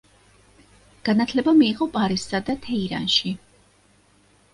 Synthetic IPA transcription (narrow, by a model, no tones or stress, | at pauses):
ɡ̥anat̪ʰlɛbamiːʁɔpʼaɾissad̪at̪ʰɛiɾa̰nʃi